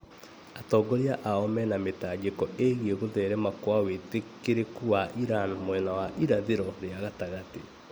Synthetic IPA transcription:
atɔːɡɔɾeaʔaɔmɛnametad͡ʒekɔeɣieɣoðɛɾɛmakwawetekeɾekuwaʔiɾanmwɛnawaʔiɾaðeɾɔɾeaɣataɣate

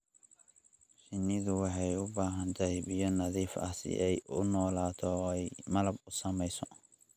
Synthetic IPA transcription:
ʃɪnːɪðʊwɑħɑjʊbaːɦɐnt̪ʰɐhbɪjɔnɐðiːfɐ̰sɪ̰ʔɛjʔʊnɔːlaːt̪ʰɔɛjmɐlɐbʊsɐmɛjsɔ

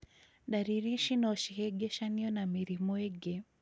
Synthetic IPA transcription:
ɗaɾiɾiʃinɔʃihɛɡɛʃaniɔnamiɾimɔɛɡɛ

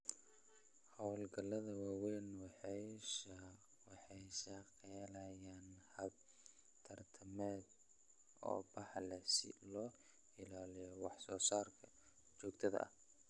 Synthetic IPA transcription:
hɐwlɡɐlɐðɐwaːwɛjnwɑħɑjʃɐ | wɑħɑjʃɐqɛlɐjaːnhɐb̚ | t̪ʰɐrt̪ʰɐmɛːd̪ | ʔɔ̰ːbɑħlɛsɪ̰lɔː | ɪlaːlɪjɔwɑħsɔːsaːrkʰɐ | t͡ʃɔːɡ̚t̪ʰɐðɐ̰ʔɐ̰

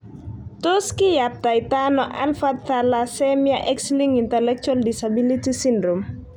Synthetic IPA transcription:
toskijap̚tajtanɔʔa̰nfat̪talasɛmjaʔɛksliŋintɛlɛk̚t͡ʃualdisabilitisindɾom

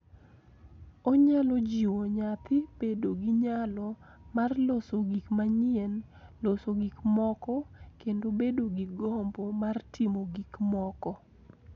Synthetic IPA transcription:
oɲalɔd͡ʒiwoɲat̪ɪbedoɡiɲalɔ | marlosoɡikmaɲɪɛn | losoɡikmɔkɔkendobedoɡiɡɔmbomartimoɡikmɔkɔ

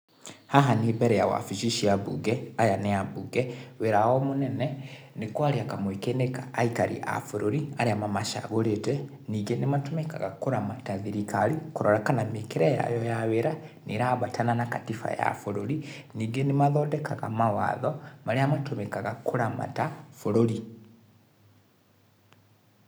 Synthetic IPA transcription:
haɦanibɛɾɛjawa̰fiʃiʃiaβuɡɛajanɛabuɡɛweɾawɔmonɛnɛ | nekwaɾiakamwekenekaːikaɾḭʔa̰foɾoɾiaɾeamamaʃa̰ɣoɾetɛ | niɡenematomeka̰ɣa̰koɾamataðiɾikalikoɾɔɾakanamekeɾɛja̰jɔjaweɾaneɾaβatʰananakatifa̰ja̰foɾoɾiniːɡenemaðɔːdɛkʰaɣa̰mawa̰ðɔmaɾeamatomɛkaɣakoɾama̰tafoɾoɾi

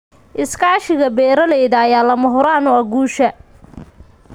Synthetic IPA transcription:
ʔɪskʰaːʃɪɣɐbɛːɾɐlɛjðɐːjaːlɐmɐɦʊɾaːnʊɐɡuːʃɐ

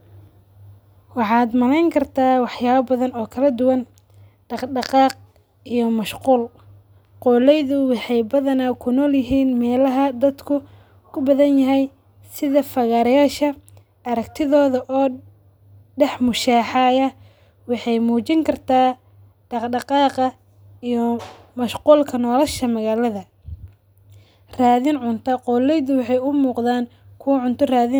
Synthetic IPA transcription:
wɑħɑːd̪mɐlɛjŋkʰɐrt̪ʰaːwɑħjaːβɐbɐðɐnɔːkʰɐlɐd̪ʊwɐn | ɖɑqɖɑqɑːq̚ | ijɔmɐʃquːl | qɔːlɛjðʊwɑħɑjbɐðɐnaːkʰʊnɔːljɪɦiːnmɛːlɐɦɐd̪ɐd̪kʰʊ | kʰʊbɐðɐnjɐɦɛj | sɪðɐfɐɣaɾɐjaːʃɐ | ɐɾɐkt̪ʰɪðɔːðɐʔɔː | ɖɛħmʊʃaːħɑːjɐ | wɑħɑjmuːt͡ʃɪŋkʰɐrt̪ʰaː | ɖ̥ɑqɖɑqɑːqɐ | ijɔ | mɐʃquːlkʰɐnɔːlɐʃɐmɐɣaːlɐðɐ | raːðɪnʕʊnt̪ʰɐqɔlɛjðʊwɑħɑjʊmuːqðaːn | kʰʊwʕʊnt̪ʰɔraːðɪn

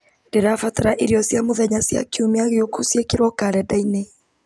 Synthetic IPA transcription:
deɾafataɾaʔeɾiɔsjamoðɛɲasja̰kiumeaɣeokusjekeɾwɔkaɾɛdaine

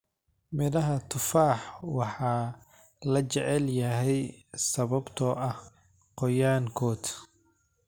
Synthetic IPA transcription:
mɪðɐɦɐt̪ʰʊfaːħwɑħɑː | lɐt͡ʃɛʕɛljɐɦɛjsɐβɐbt̪ʰɔːʔɐh | qɔjaːŋkʰɔːd̪

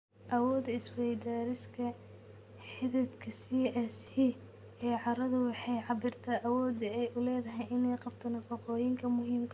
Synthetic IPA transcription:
ʔɐwɔːd̪ɐɪswɛjd̪aːɾɪskʰɐ | ħɪðɪd̪kʰɐsiːɛs | i | ɛːʕɑɾɐðʊwɑħɑjʕɑbɪrt̪ʰaːʔɐwɔːd̪ɐɛjʔʊlɛːðɐɦɛjʔɪnɛjqɑb̚t̪ʰɐnɐfɑqɔːjɪŋkʰɐmʊɦiːmkʰ

